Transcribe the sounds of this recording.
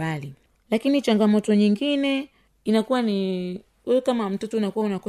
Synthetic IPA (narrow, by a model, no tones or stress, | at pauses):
ali | lakinit͡ʃaŋɡamɔtɔɲiŋɡinɛ | inakuwani | ɛɛkamam̩tɔtɔnakuwaunakɔ